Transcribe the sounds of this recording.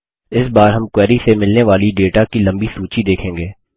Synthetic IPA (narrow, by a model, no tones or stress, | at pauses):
ɪsbaːɾɦɐmkwɛːɾisemɪlneʋaːliɖeːʈakilɐ̃mbisuːt͡ʃid̪eːkʰẽːŋɡeː